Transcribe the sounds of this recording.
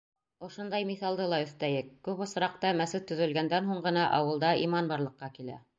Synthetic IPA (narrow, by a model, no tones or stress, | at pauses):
ŏʃŏnd̪ɑjmiθɑlˠd̪ɤlˠɑɵ̆θt̪æjɘkːʉpŏsɾɑq̚t̪ɑmæsɘt̪ːɵ̆ðɵ̆lɡænd̪ænɦuɴɢɤ̆nɑʔɑ̰wɤ̆lˠd̪ɑḭmɑnbɑɾlˠɤ̆qːɑkilæ̰